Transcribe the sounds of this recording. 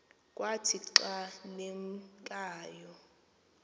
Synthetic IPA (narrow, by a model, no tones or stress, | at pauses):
kʼwatʰiǀaneŋkʼaːjɔ